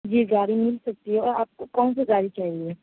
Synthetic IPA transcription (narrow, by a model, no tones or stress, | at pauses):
d͡ʒiːɡaːɾimɪlsɐk̚t̪iɦɛɔːɾaːp̚kokɔːnsezaːɾit͡ʃaːɦieː